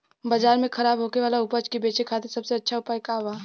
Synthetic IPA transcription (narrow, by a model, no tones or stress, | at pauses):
bad͡ʒaːɾmẽkʰɐɾaːbɦoːkeʋaːlaʊpət͡ʃkibeːt͡ʃekʰaːt̪esɐbseɐtːʃʰaʊpaːjkaɦuaː